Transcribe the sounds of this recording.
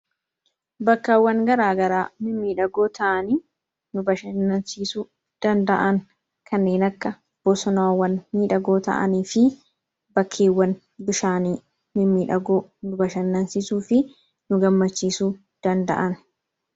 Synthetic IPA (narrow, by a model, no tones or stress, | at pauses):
bɐkːɐwːɐŋɡɐɾaːɡɐɾaːmɪmːiːᶑɐɡoːt̪ʰɐʔɐniː | nʊbɐʃɐnːɐnsiːsuː | d̪̥ɐnd̪ɐʔɐŋ | kʰɐnːe̞ːnɐkːɐ | b̥ɔsɔnːwːɐnmiːᶑɐɡo̞ːt̪ɐ̰ʔɐ̰niːfɪ | bɐkʰːeːwːɐn | bɪʃaːniː | mɪmːiːᶑɐɡoːnʊbɐʃɐnːɐnsɪsuːfɪ | nʊɡɐmːɐt͡ʃːiːsuː | d̪̥ɐnd̪ɐ̰ʔɐn